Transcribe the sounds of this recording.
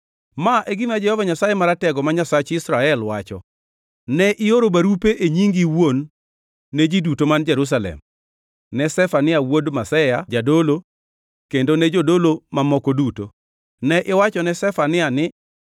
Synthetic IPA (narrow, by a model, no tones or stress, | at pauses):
maʔeɡɪmad͡ʒɛhɔvaɲasajemaɾatɛɡɔmaɲasat͡ʃɪsɾaɛlwat͡ʃɔ̰ | nɛʔɪoɾobaɾupeʔeɲiŋɡiwonː | ed͡ʒidutomand͡ʒɛɾus̬alɛ̰m | nɛsɛfanɪawodmasɛjad͡ʒadolo | kendonɛd͡ʒodolomamɔkoduto̰ | nɛʔɪwat͡ʃɔnɛsɛfanɪanɪ